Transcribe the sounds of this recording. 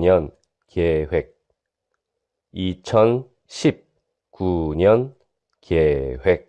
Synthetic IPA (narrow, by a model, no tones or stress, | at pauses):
ɲʌn | kewek̚ | it͡ɕʰʌn | ɕʰip̚ | kuɲʌn | kewek̚